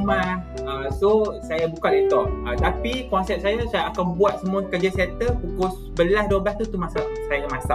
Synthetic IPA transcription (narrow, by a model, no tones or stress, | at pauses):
maəsosajabukaʔdet̪ɔʔət̪apikɔnsɛp̚sajausajaːkanbuwat̪̚səmũakəd͡ʒasɛnt̪əpukʊs | bəlahdobaht̪ut̪umasasajaɲamasa